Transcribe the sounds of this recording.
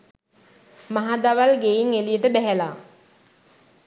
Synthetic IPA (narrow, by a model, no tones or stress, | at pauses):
maɦad̪aʋalɡejiŋelijəʈəbɛɦɛlaː